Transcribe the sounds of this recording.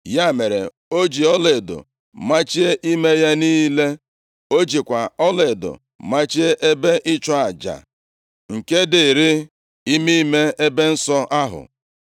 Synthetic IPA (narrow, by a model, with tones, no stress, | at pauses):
ja˦˨me˨ɾḛ˨ | o˦d͡ʒi˨ɔ˦le˨do̰˨ | ma˦t͡ʃi˦e˦ʔi˦me˦ja˦niː˦le˦ | o˦d͡ʒi˨kʷa˨ɔ˦le˨dʊ̰˨ | ma˦t͡ʃi˦e˦ʔe˦be˦ʔɪ˦t͡ʃɔ˦a˨d͡ʒa̰˨ | ŋ̩˨ke˦dɪ˨ɾi˦ | i˦mi˦me˦e˦be˦n̩˦sɔ˦ʔa˦ɦʊ̰˨